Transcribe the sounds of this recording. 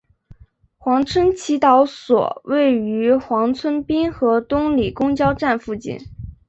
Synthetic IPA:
xwɑ˧˥ŋt͡sʰwə˥nt͡ɕʰi˧˥t̪ɑ˧˥ʊswɔ̰˨˩we˥˩ɪy˧˥xwɑ˧˥ŋt͡sʰwə˥npi˥nxɤ˧˥t̪ʊ˥ŋli˨˩kʊ˥ŋt͡ɕjɑ˥ʊʈ͡ʂa˥˧nfu˥˧t͡ɕḭ˥˩n

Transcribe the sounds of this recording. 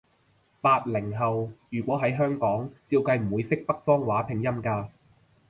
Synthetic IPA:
paː˧t̚lɪ˨˩ŋɦɐ˨wjyː˨˩kʷɔː˨˥ɦɐ˨˥jɦœː˥ŋkɔː˨˥ŋt͡siː˧wkɐ˧jm̩˨˩wuː˨˧jsɪ˥k̚pɐ˥k̚fɔː˥ŋwaː˨˥pʰɪ˨˩ŋjɐ˥mkaː˧

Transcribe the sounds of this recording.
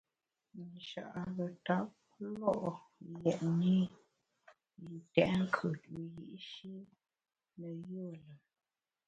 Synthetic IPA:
n˨ʃa̰˨ʔa˨ɣə˨ta˨˦p̚ | lɔ˦ʔo˨jɛ˨ʔni˦˨ | n˨tɛ̰˨ʔŋ˦kʰə˨tu˨jḭ˨ʔʃi˦ | nə˨jo˦˨lə˨

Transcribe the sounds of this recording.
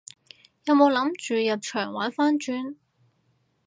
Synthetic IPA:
jɐ˨˧wmo˨˧wlɐ˨˥mt͡ʃyː˨jɐ˨p̚t͡ʃʰœː˨˩ŋwaː˨˥faː˥nt͡ʃyː˧n

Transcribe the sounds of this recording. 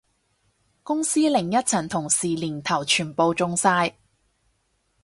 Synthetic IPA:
kʊ˥ŋsiː˥lɪ˨˩ŋjɐ˥t̚t͡sʰɐ˨˩nt̪ʰʊ˨˩ŋsiː˨˩liː˨˩nt̪ʰɐ˨˩wt͡ʃʰyː˨˩npo˧wt͡sʊ˧ŋsaː˧j

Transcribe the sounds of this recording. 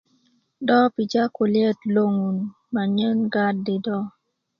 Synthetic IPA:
dɔ˦pi˨d͡ʒa˦ko˨ljɛ˦tlo˦ŋu˨n | ma˨ɲə˦nɡa˦dːɪ˨dɔ˦

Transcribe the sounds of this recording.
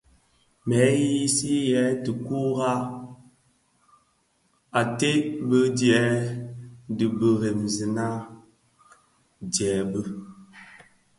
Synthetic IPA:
mɛ˨˦ji˦si˦jɛ˨˦tɨ˨ku˦ɣa˦ | a˨te˦bə˦djɛ˨˦ | dɨ˨bə˨ɣe˨mzi˨na˦ | djɛː˨˦bə˦

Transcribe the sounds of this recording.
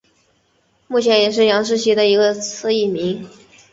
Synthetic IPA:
mu˥˩t͡ɕʰjɛ˧˥njɛ˨˩ʂ̬ɻ̩˥˩jɑ˧˥ŋʂ̬ɻ̩˥ɕi˧˥d̪ə˨i˧˥ɡə˧t͡s̩ʰ˥˧i˥˩mi˧˥ŋ

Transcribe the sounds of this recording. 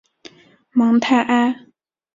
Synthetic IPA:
ma˩˨ŋnt̪ʰa˥˨ʔa˥

